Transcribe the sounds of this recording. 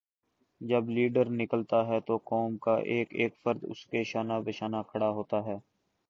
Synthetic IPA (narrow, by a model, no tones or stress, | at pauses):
d͡ʒɐbliːɖəɾnɪkəlt̪aɦɛt̪okɔːmkaʔeːkeːkfəɾd̪ʊ̰skeʃaːnabɪʃaːnakʰɐɽaɦoːt̪aɦɛː